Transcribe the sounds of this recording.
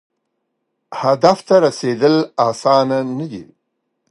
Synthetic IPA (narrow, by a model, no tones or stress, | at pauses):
had̪aft̪aɾased̪əlasɑnanəd̪ḭ